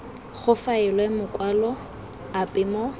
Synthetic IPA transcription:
χʊfaɪlwɛmʊkʼwalɔ | apʼɪmɔ

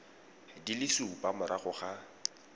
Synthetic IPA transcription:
dilɪsupʼamʊɾʔaχʊχa

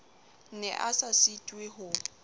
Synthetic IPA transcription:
nɛ̰ʔasasitʼweɦʊ

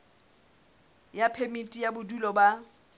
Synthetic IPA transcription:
japʰemitʼijabʊdulɔba

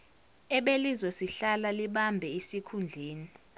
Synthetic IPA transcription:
ɛɓelizɔsiɬalaliɓambʱɛisikʰund͡ɮʱeːni

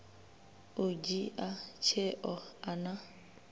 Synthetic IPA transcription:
ʊd͡ʒiʔat͡ʃʰɛʔɔana

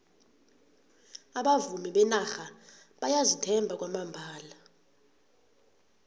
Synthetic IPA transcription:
aɓavumiɓɛnaxa | ɓajazitʰɛmbʱak̬ʼwamambʱaːla

